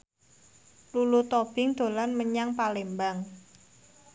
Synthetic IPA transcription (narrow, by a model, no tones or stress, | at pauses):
lulut̪ob̥ɪŋd̪̥o̤lanməɲaŋpalembaŋ